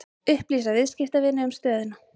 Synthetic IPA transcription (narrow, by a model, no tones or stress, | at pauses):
ʏhpliːsavɪðscɪft̪avɪnːɪʏmst̪œːðɪna